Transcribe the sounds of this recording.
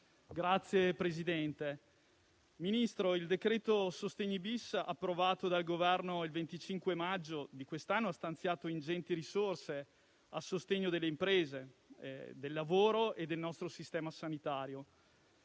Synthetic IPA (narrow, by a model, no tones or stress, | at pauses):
ɡɾat̪sːjepɾezid̪ɛnt̪e | minist̪ɾoild̪ekɾɛːt̪osost̪eɲːibisa̰pːɾovaːt̪od̪alɡovɛrnoilvent̪it͡ʃiŋkwemad͡ʒːod̪ikwest̪anːoast̪ant̪sjaːt̪oind͡ʒɛnt̪iɾisorse | asost̪eɲːod̪elːeimpɾeːzḛ | d̪elːavoːɾoʔed̪ːelnɔst̪ɾosist̪ɛːmasanit̪aːɾjo